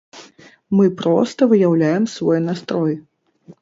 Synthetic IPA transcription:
mɨpɾɔst̪ɐvɨjawlʲajɛmsvɔjnast̪ɾɔj

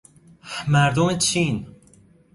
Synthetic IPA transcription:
mæɾd̪omt͡ʃʰːin

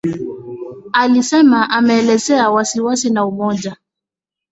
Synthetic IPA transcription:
alisɛmaʔamɛːlɛzɛawasiwasinaumɔd͡ʒa

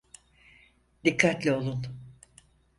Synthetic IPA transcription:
d̪ikʰːat̪lʲɛo̞lˠun

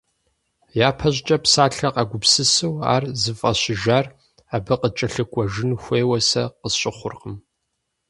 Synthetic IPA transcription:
jaːpʰɐʑt͡ʃʼɐpsaːɬɐqɐɡʷʊpsɨsɨwa̰ːrzɨfʼɐɕɪʒaːr | abɨqət͡ʃʼɐɬɨkʷʼɔʒɪnxʷeːwɐsɐ̰qəɕʼɪχʷʊrqəm

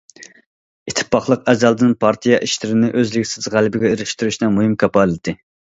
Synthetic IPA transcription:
it̪ʰːɪ̥pʰːɑχlˠəqɛzɑlˠd̪ɪnpʰɑɾt̪ʰijɑʔiʃlɪɾɪnɪʔøzlɪkʲsɪzʁælɪbɪɡʲɛeɾɪʃt̪yɾyʃnɨŋmuɦɨmkʲʰɑpɑːlˠɨt̪ʰɪ

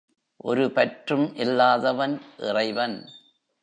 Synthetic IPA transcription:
ʔɔɾɯpɐʈrɯmʔɪlːaːðɐʋɐnʔɪ̰rɐɪʋɐn

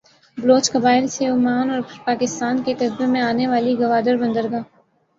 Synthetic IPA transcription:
bloːt͡ʃkɐbaːɪlseʊmaːnɔːɾɾpaːkɪst̪aːnkekɐsbemẽaːneʋaːliɡɐʋaːd̪əɾbɐ̃nd̪əɾɡaː

